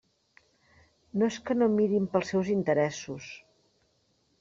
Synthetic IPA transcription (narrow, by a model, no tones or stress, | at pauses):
noeskənomiɾimpəlˠsɛwzint̪əɾɛsus